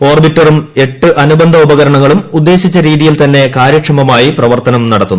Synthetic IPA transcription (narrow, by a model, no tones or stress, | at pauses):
o̞ːrbitːɐrume̞ʈːɨʔɐnubɐnd̪ʱɐubɐɣɐɾɐɳɐŋːɐɭumud̪ːe̞ːɕit͡ɕːɐɾiːðijilt̪ɐnːe̞kaːɾjɐkʂɐmɐmaːjiprɐʋɐrt̪ɐnɐmnɐɽɐt̪ːunː